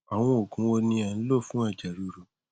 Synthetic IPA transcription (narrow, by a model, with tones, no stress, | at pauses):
a˨w̃ɔ̃˧o˨kũ˨˦wo˧nĩ˧ɛ˨n̩˦lo˦˨fũ˨˦a˦˨d͡ʒa˨ɾu˨˦ɾo˨